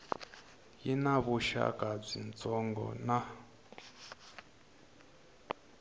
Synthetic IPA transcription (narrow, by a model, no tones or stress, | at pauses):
jinaβuʃa̰kʼab͡ʐint͡sʼɔŋɡɔ̰na